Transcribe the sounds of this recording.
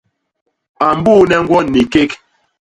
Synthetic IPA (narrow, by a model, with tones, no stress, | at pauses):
a˨m̩˨˦buː˦nɛ˦ŋ̩˦ɡwɔ˦nːi˨ke˦k